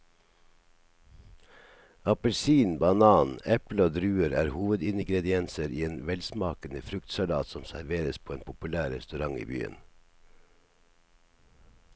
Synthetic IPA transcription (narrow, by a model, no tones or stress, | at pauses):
ɑpəlsiːnbɑnɑːnɛploːd̪ɾʉːəɾæ̰ːɾhuːʋəd̪ɪnɡɾɛd̪ɪɛnsəɾiːeːnʋɛlsmɑːkənəfɾʉkt̪sɑlɑ̰ːt̪sɔmsæɾʋeːɾəspʰoːeːnpʰʊpʉlæːɾɛst̪ʉɾɑŋḭːby̰ːə̰n